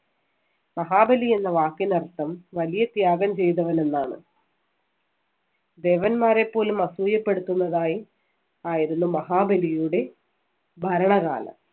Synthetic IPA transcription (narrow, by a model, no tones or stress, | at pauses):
mɐɦaːbɐlije̞nːɐʋaːkːinɐrt̪ːɐmʋɐlijɐt̪jaːɡɐmt͡ɕe̞jt̪ɐʋɐne̞nːaːɳɨ̰ | d̪e̞ːʋɐnmaːɾe̞pːo̞ːlumɐsuːjɐpːe̞ɽut̪ːunːɐðaːji | aːjiɾunːumɐɦaːbɐlijuɽe̞ | bʱɐɾɐɳɐɣa̰ːlɐ̰m